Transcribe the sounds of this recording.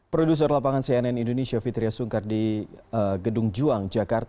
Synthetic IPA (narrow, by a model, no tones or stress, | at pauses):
pɾodus̬ərlapaŋansɛɛnɛnindonesiafit̪ɾiasuŋkardiəɡəduŋd͡ʒuaŋd͡ʒakart̪